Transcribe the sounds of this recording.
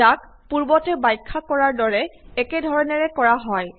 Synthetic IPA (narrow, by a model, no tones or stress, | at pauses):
ak̚ | puɹbɔtɛbajkʰːakɔɹaɹdɔɹɛɛkedʱɔɹɔnɛɹɛkɔɹaɦɔj